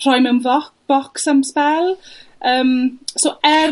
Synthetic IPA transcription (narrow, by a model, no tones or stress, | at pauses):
r̥ɔjmənvɔk̚b̥ɔksəmspɛlˠəːmsoʔɛ